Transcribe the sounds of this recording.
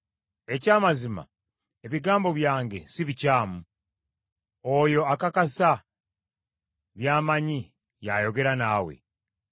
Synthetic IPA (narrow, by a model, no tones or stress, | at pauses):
e̞caːmazima̰ | e̞βiɡaːmbo̞βjaːŋɡe̞̰siβicaːmu | ojo̞akakasa | βjaːmaɲi | jajo̞ɡe̞ɾanaːwe̞̰